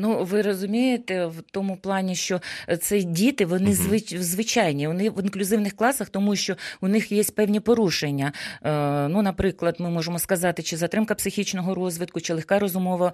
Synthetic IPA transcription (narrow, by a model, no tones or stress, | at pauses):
nuʋɪɾɔzʊmʲijet̪ɛwt̪ɔmʊplˠɑnʲiʃt͡ʃɔt̪sɛdʲit̪ɪʋɔnɪzʋɪʋzʋɪt͡ʃɑjnʲiɔnɪʋɪnklʲʊzɪwnɪxklˠɑsɐxt̪ɔmuʃt͡ʃɔunɪxjesʲtʲpɛwnʲipɔɾuʃenʲːɐ | nunɐpɾɪklˠɐd̪mɪmɔʒemɔskɐzɑt̪ɪt͡ʃɪzɐt̪ɾɪmkɐpsɪxʲit͡ʃnɔɦɔɾɔzʲʋɪt̪̚kʊt͡ʃɪlˠexkɑɾɔzʊmɔʋɐ